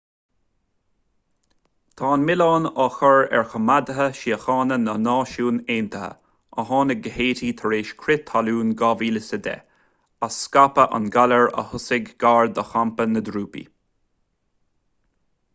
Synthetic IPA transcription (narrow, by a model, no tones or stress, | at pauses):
t̪ʰɑːnmɪlɑːnɑxɔɹɛ̰ɹxəmad̪əɦəʃiːəxɑːnənənɑːʃuːneːnt̪ʰəhə̰ | əɦɑːnəɡəheːtit̪ʰəɹeːʃkʰɾɪt̪ʰːaluːnɡɑːviːləsəd̪ɛ̰ | asːkapəʔa̰nɡaləɹə̰hʊsɪɡɡaːɹd̪əxampənəd̪ɾuːpḭ